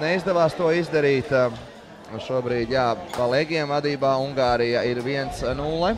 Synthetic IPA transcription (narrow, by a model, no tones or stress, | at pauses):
nɛizd̪ɛʋaːst̪uɔizd̪aɾiːt̪ | ʃuɔbɾiːd̪jaːpalˠeɡʲɛmvad̪iːbaːuŋɡaːɾijaiɾʋiɛnt̪snuːlˠɛ